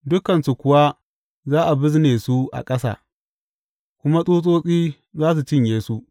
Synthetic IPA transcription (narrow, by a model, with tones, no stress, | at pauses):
dʊ˦kɐ˨nsu˨kʷʊ˨wa˦ | zaː˦ʔa˨bɪ˦zneː˨su˦ʔa̰˨kʼɐ˦sa̰ː˦˨ | kʷʊ˦ma˦sʼuː˦sʼoː˦sʼiː˦ | zaː˦s̬u˨t͡ʃɪ˦ɲjeː˦su˦ʔ